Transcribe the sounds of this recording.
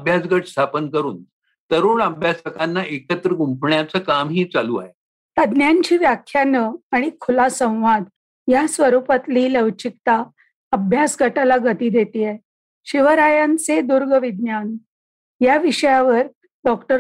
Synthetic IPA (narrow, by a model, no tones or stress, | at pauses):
əbʱjasɡəʈst̪ʰapənkəɾuːn | t̪əɾuːɳəbʱjasəkanːaʔekət̪ɾəɡumpʰɳjat͡səːkamɦiːt͡salua̰ɦe | t̪əd̪njaɲt͡ɕiːʋjakʰjanəaɽ̃ikʰulasə̃w̃ʋad̪ | jasʋəɾupat̪liːləʋt͡ɕik̚t̪a | əbʱjasɡəʈalaɡət̪iːd̪et̪iːa | ɕiʋəɾajant͡sed̪uɾɡəʋid̪̚njan | jaʋiɕəjaʋəɾ | ɖɔkʈəɾ